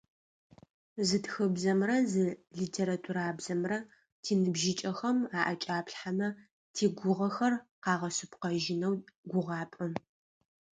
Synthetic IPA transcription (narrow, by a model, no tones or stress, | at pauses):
zɨtxɨbzɐmrɐzɨɮiːtʰeːɾatʰuɾaːbzɐmrɐ | tʰiːnɨbʒɪt͡ʃʼɐxɐmaːʔɐt͡ʃʼaːpɬħamɐ | tʰiːɡʷʊʁɐxɐrqɑːʁɐsɨpqɐʒɪnɐwɡʷʊʁɑːpʼɐm